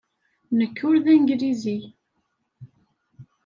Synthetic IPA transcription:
nəkːʊɾðæŋɡɾizi

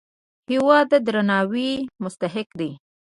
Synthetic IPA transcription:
hɪwɑd̪əd̪ɾanɑwimʊst̪aɦɪkd̪i

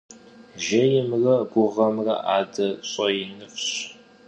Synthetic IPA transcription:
ʒɐjɪmrɐɡʷʊʁɐmrɐ̰ʔaːdɐɕʼɐjɪnɨfɕ

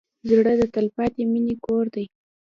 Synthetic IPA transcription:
zɽəd̪ət̪alpɑt̪eminekoɾd̪aj

